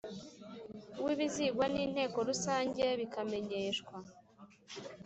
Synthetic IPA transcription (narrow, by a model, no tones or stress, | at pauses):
uwiβiziɡwaniːn̥he̞ːko̞ɾusaːɲɟe̞βikame̞ɲeʃkwa